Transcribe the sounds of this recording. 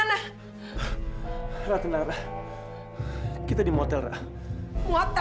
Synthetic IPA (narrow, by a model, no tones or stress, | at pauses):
na | rat̪ənaɾa | kit̪adimɔt̪ɛlra̰ | muat̪a